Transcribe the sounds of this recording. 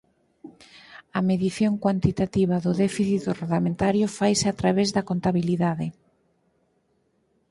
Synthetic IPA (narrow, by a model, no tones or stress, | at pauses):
ɐmeðiθjoŋkwant̪it̪at̪iβɐðʊðɛfiθit̪ʊreɣlamẽnt̪aɾjʊfajsɪat̪ɾaβezðɐkont̪aβiliðaðɪ